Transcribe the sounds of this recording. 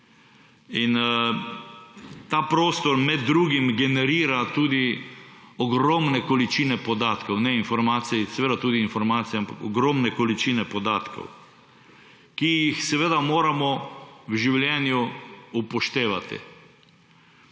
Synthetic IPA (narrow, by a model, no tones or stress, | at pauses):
in | t̪apɾoːst̪ɔɾmɛd̪ːɾuːɡimɡɛnɛɾiːɾat̪uːd̪i | ɔɡɾɔmnɛkɔlit͡ʃiːnɛpɔd̪aːt̪kɔwnɛinfɔɾmaːt̪sisɛʋeːd̪at̪uːd̪iːnfɔɾmaːt̪sijampakɔɡɾɔmnɛkɔlit͡ʃiːnɛpɔd̪aːt̪kɔ̰w | kijixsɛʋeːd̪amoːɾamɔwʒiwljɛːnjuupɔʃt̪eːʋat̪ḭ